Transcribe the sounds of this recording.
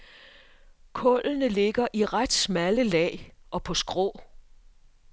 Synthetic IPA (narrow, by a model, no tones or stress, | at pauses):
kʰɔ̽lnəle̝ɡ̥ɐʔiʁad̥smæləlɛ̰ɪʔɒ̽pʰɒ̽sɡ̥ʁɔ̰ː